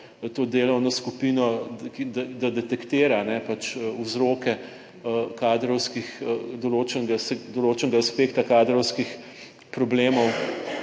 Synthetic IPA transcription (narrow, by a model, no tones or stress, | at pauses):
t̪oːd̪eːlɔwnɔskupinɔkid̪ad̪ad̪ɛt̪ɛkt̪eːɾanɛpat͡ʃuzɾoːkɛ | kaːd̪ɾɔwskixd̪oloːt͡ʃɛnɡasɛd̪oloːt͡ʃɛnɡaːspeːkt̪akaːd̪ɾɔwskix | pɾɔbleːmɔw